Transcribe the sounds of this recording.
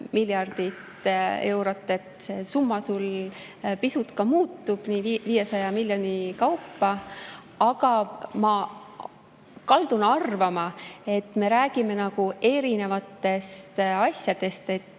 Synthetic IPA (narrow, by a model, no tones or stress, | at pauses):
milʲjɑrd̪̥it̪e̞wɾo̞t̪ːˑe̞t̪ˑsesumːɑsul | pisut̪kɑmuːt̪ˑːub̥niːviːje̞sɑjɑmilʲjo̞nʲikɑwpːɑ | ɑɡɑmɑ | kɑld̪̥unɑrvɑmɑe̞t̪ːˑme̞ɾæːɡ̥ime̞nɑɡ̥ue̞ɾine̞vɑt̪ːˑe̞st̪ɑsjɑd̪̥e̞st̪e̞t̪ːˑ